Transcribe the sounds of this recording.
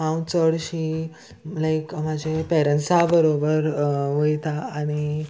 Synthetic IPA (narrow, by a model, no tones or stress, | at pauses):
ãwt͡səɽɕiː | lajkmad͡ʑʱepɛɾənsabəɾobəɾʋəjt̪aːɽ̃i